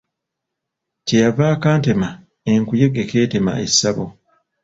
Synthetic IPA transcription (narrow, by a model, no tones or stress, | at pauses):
cejavaːkaːnte̞ma | eŋkuje̞ɡeke̞ːte̞ma̰ʔe̞sːaβo